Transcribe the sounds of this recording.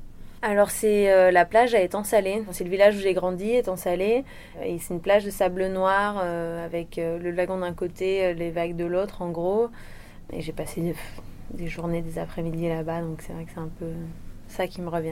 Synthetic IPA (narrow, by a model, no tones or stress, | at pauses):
alɔʁsɛølaplaʒaɛt̪eɑ̃saleɑ̃fɛ̃sɛləvilaʒuʒeɡʁɑ̃d̪iɛt̪ɑ̃sale | esɛt̪ynplaʒd̪əsablənwaʁøavɛkøləvaɡɔ̃d̪ɛ̃kot̪eølevaɡd̪əlot̪χɑ̃ɡʁo | ḛʒepase | d̪eʒuʁned̪ezapχɛmid̪ilabad̪ɔ̃ksɛvʁɛkəsɛt̪ɛ̃pøsakʲiməʁəvjɛ̃